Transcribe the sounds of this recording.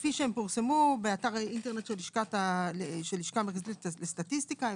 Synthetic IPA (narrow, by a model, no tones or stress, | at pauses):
fiʃeempuʁsemubeataʁinteʁne̞t̪ʃeliʃkataleʃeliʃkameχazeletlest̪atist̪ika